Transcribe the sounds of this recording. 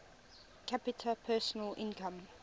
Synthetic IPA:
kʰapɪtʰəpʰɛːˑsənəlʔɪ̰̃nkʰə̃m

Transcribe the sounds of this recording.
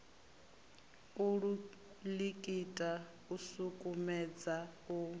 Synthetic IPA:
uɺu | likʼitʼa | usukʼumɛd͡zau

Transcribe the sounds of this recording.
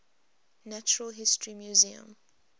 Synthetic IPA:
nat͡ʃɹəlɦɪstʰɹimjuziə̰̃m

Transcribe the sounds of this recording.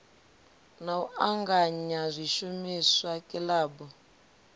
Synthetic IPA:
nauaŋɡaɲazʷiʃumiswakʼilaːbɔ

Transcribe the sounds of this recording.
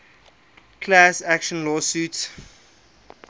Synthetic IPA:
kʰlasækʃə̃nlɔːsuːts

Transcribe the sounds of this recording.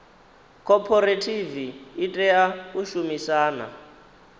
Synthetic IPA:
kʰɔpʰɔɾetʰiviːtʼɛjauʃumisaːna̰

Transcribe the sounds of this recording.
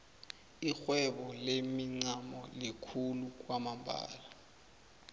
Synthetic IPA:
ixwɛɓɔlemiŋ͡ǀamɔlikʰuluk̬wamambʱa̰ːla

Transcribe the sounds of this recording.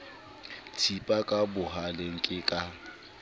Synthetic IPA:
tʰipʼakʼabʊɦaleŋ̩kʼɪkʼa

